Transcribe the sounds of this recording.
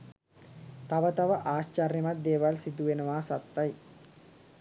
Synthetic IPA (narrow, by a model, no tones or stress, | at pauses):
t̪ɐʋɐt̪ɐʋɐʔaːɕt͡ʃɐrjɐmɐd̪eːʋalsid̪uʋenɐʋaːsɐt̪ːɐj